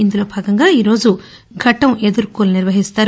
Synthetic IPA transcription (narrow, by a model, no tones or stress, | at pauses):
ind̪ulo̞ːbʱaːɡɐŋɡaːiːɾo̞ːd͡ʒu | ɡʱɐʈɐmed̪uɾkuːluniɾʋɐɦist̪aːɾ